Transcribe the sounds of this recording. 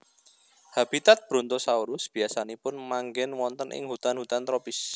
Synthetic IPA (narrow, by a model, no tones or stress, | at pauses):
hab̥it̪at̪̚b̥ɾɔnt̪osauɾʊsb̥i̤asanipʊnmaŋɡɪnwɔnt̪ənʔɪ̰ŋhut̪anhut̪ant̪ɾopis